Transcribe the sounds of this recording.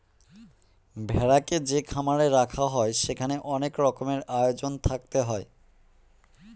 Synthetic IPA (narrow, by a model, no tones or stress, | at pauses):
bʱɛɾaked͡ʑekʰamaɾeɾakʰaɦɔeʃekʰaneʔɔnekɾɔkomeɾajod͡ʑont̪ʰak̚t̪eɦɔe